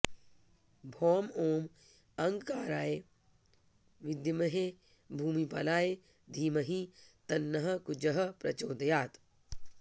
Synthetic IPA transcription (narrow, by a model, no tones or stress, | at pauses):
bʱoːmoːm | ɐŋɡkaːɾaːe | ʋid̪jɐmɐɦe | bʱuːmipɐlaːe | d̪ʱiːmɐɦit̪ɐnːɐɦɐkud͡ʒɐɦɐpɾɐ̰t͡ʃoːd̪ɐjaːt̪